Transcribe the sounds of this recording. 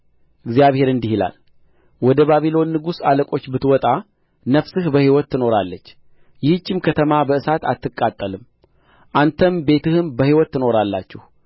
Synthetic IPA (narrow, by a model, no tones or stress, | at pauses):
ʔɨɡzjaβhe̞ɾɨnd̪ihila̰l | wɔd̪əβaβilo̞nːɨɡusaləkʼo̞t͡ʃːbɨt̪wɔt̪ʼa | nəfsɨhbəhiwɔt̪ːɨno̞ɾalːət͡ʃː | jɪhɨt͡ʃːɪmkʰət̪ʰəmabəɨsat̪a̰t̪ːɨkʼːat̪ʼːəlɨm | ʔant̪ʰəmbe̞t̪ʰɨhɨnbəhiwɔt̪ːɨno̞ɾalːa̰t͡ʃːɪh